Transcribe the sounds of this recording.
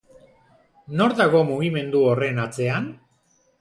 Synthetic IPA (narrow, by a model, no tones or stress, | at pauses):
no̞ɾðaɣo̞muɣime̞nd̪uore̞nat͡se̞an